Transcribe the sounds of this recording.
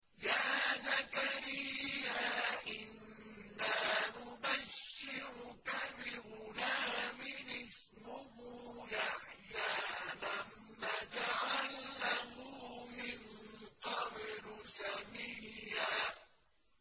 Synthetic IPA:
jaːzakaɾɪjːaʔɪnː | aːnʊbaʃːɪɾʊkabɪɾʊnaːmɪnɪsmʊɦuːjaħjaːlamːaːd͡ʒaʕalnaɦuːmɪnqɑbɾʊsamiːaː

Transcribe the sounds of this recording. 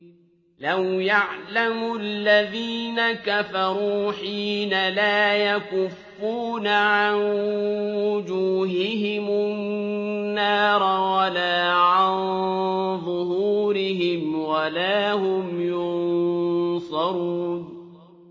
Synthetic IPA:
lawjaʕlamʊalːaðiːnakafɑɾˤuːħiːnalaːjakʊfːuːnaʕanwwʊd͡ʒuːɦɪɦɪmʊnnnːaːɾˤwalaːʕan | ðˤʊhuːɾɪɦɪmwalaːhʊmjʊn | sˤɑɾˤuːn

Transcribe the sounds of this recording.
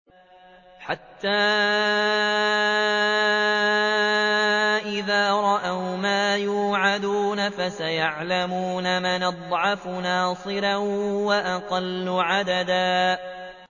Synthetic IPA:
ħat̪ːaː | ʔɪðaːɾˤɑʔawmaːjuːʕad̪uːnafasajaʕlamuːnamanɑd̪ˤʕɑfʊnɑːsˤɨɾawaʔaqɑlːʊʕad̪ad̪aː

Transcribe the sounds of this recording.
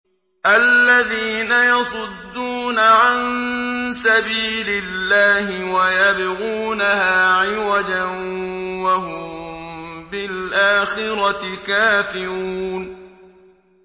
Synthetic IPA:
ʔalːaðiːnajɑsˤʊd̪ːuːnaʕansabiːlɪlːaːhɪwajabɪɣuːnahaːʕɪwad͡ʒanwaɦʊm | bɪlʔaːxɪɾɑtɪkaːfɪɾuːn

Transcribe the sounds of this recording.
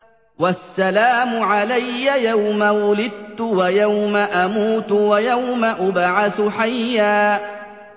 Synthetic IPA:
wasːalaːmʊʕalajːajawmawʊlɪd̪̚t̪ːʊwajawmaʔamuːt̪wajawmaʔʊbʕaθʊħajːaː

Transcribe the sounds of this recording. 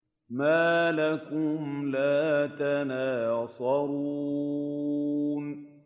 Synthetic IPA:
maːlakʊmlaːt̪anaːsˤɑɾu | n

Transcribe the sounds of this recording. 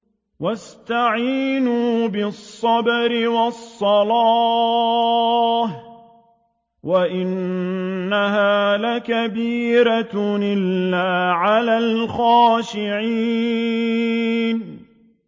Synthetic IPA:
wast̪aʕiːnuːbɪsˤːɑbɾɪwɑsˤːɑlɑ | h | waʔɪnː | aɦaːlakabiːɾanɪlːaːʕalaːlxaːʃɪʕi | n

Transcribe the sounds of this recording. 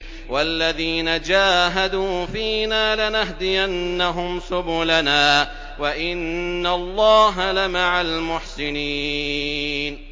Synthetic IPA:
walːaðiːnad͡ʒaːɦad̪uːfiːnaːlɪnaɦd̪ɪjanːaɦʊmsʊbʊlanaː | waʔɪnːalˤːɑːɦalɪmaʕalmʊħsɪniː | n

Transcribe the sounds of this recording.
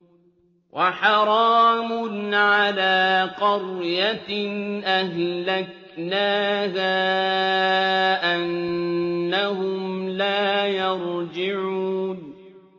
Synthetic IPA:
wʔaħɑɾˤɑːmʊnʕalaːqɑɾjanʔahlak̚ | naːhaː | ʔanː | ahʊmlaːjɑɾˤd͡ʒɪʕuːn

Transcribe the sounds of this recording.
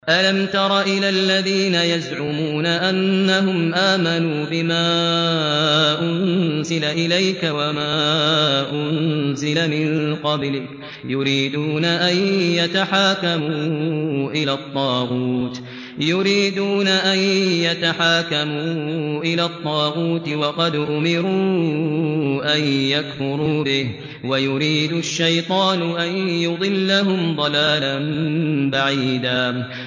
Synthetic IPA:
ʔalamt̪ɑɾˤɑʔɪlaːlːaðiːnajazʕʊmuːnaʔanːaɦʊmʔaːmanuːbɪmaː | ʔʊnzɪlaʔɪlajkawamaːʔʊnzɪlamɪnqɑblɪk | jʊɾiːd̪uːnaʔanjat̪aħaːkamuːʔɪlaːt̪ˤːɑːɣuːt̪ | jʊɾiːd̪uːnaʔanjat̪aħaːkamuːʔɪlaːt̪ˤːɑːɣuːt̪wɑqɑd̪ʔʊmɪɾuː | ʔanjakfʊɾuːbɪh | wajʊɾiːd̪ʊʃːajt̪ˤɑːnʊʔanjʊd̪ˤɨlːaɦʊmd̪ˤɑlaːlanbaʕiːd̪aː

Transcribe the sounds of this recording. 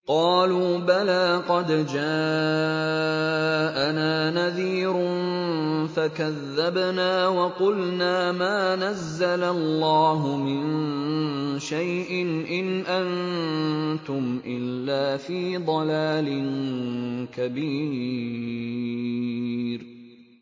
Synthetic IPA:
qɑːluːbalaːqɑd̪d͡ʒaː | ʔanaːnaðiːɾn | fakaðːabnaːwɑqʊlnaːmaːnazːalalːaɑːɦʊmɪn | ʃajʔɪnʔɪnʔan | t̪ʊmʔɪlːaːfiːd̪ˤɑlaːlɪn | kabiː | ɾ

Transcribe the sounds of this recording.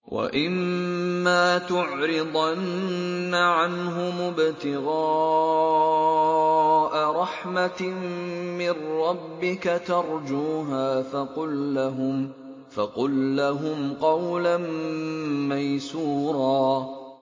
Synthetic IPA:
wʔa̰ʔɪmː | aːt̪ʊʕɾɪd̪ˤannːaʕanɦʊmʊbt̪ɪɣɑː | ʔaɾˤɑħma | mɪrɾɑbːɪkat̪ɑɾˤd͡ʒuːɦaːfɑqʊlːaɦʊm | fɑqʊlːaɦʊmqɑwlan | majsuːɾˤɑː

